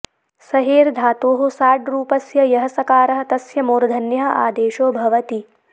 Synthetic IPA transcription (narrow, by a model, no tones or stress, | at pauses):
sɐɦeːɾd̪ʱaːt̪oːɦosaːɖɾuːpɐsjɐjɐɦɐsɐkaːɾɐɦɐt̪ɐsjɐmoːɾd̪ʱɐnjɐɦɐ̆ʔa̰ːd̪eːʃoːbʱɐʋɐt̪i